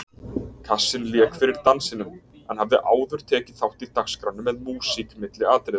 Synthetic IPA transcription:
kʰasːɪnljɛːkfɪɾɪɾ̥t̪ansɪnʏm | ɛnhavðɪʔaːwðʏɾ̥t̪ʰɛːcɪθawht̪it̪akskɾanːʏmːɛðmuːsikmɪt̪lɪaːt̪ɾɪð

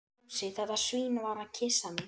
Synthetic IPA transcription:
sɪθaðḁsviːnvaɾaðcʰɪsanɪ

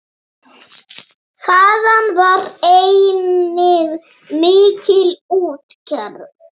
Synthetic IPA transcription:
θaːðanvaɾejnɪɣ | mɪːcʰɪluːt̪cʰɛɾ

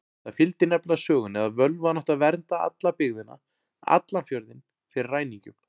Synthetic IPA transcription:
θafɪlt̪ɪnɛplaðsœːɣʏnɛðaðvœlvanɔht̪aðvɛɾnt̪aa̰t̪lapɪɣðɪnːa̰ | a̰t̪lanfjɔɾðɪn | fɪɾɪraːjniɲcʏm

